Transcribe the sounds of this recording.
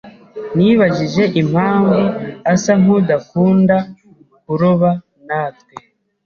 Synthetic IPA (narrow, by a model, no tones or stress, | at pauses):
niβaʒiʒe̞ʔim̥haːɱvuasaŋ̥udakuːnda | kuɾoβa | naːt̚ke